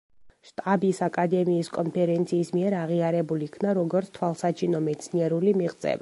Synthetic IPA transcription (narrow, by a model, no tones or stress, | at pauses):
ʃt̪ʼabisakʼad̪ɛmiːskʼɔnpʰɛɾɛnt̪sʰiːsmiɛɾaʁiaɾɛbulikʰnaɾɔɡɔɾt̪st̪ʰwalˠsat͡ʃʰinɔmɛt̪sʰniɛɾulimiʁt̪sʼɛ̰va